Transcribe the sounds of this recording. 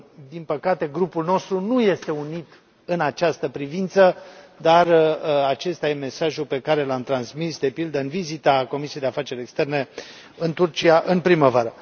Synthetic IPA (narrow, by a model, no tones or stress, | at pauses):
d̪inpəkat̪e̞ɡɾupulno̞st̪ɾunuje̞st̪e̞unit̪ | ɨnat͡ʃast̪əpɾivint̪səd̪arat͡ʃe̞st̪aje̞me̞saʒupe̞kaɾe̞lamt̪ɾansmisd̪e̞pild̪əɨnvizit̪ako̞misiejd̪eafat͡ʃe̞ɾʲekst̪e̞rne̞ | ɨnt̪urt͡ʃiaʔɨnpɾiməvaɾə